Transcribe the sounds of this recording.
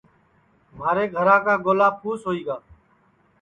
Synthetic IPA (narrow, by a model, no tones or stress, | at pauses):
maːɾeːɡʱəɾãːkaːɡoːlaːpʰuːsɦoːiːɡaː